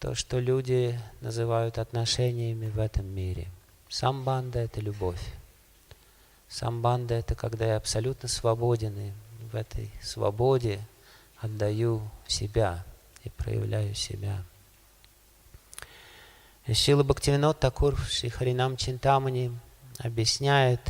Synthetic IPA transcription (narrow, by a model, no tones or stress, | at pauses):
t̪o̰ʂt̪olʲudʲɪnəzɨvajʊt̪ɐt̪nɐʂɛnʲɪjəmʲɪvɛt̪əmːʲiɾʲɪ̰ | samband̪əɛt̪əlʲʊbo̞fʲ | sa̰mband̪əɛt̪əkɐɡd̪ajaɐpsɐlʲut̪nəsvɐbodʲɪnɨvɛt̪ʰə̰jsvɐ̰bodʲɪ | ɐd̪ːɐjusʲɪbʲa | ipɾə̰jɪ̰vlʲʔæjʊsʲɪ̰bʲa | ɪilˠəbəktʲɪvʲɪnot̪ːɐkurfʂɪxəɾʲɪnamt͡ɕɪnt̪amənʲɪɐ̰bjɪsʲnʲæjʊt̪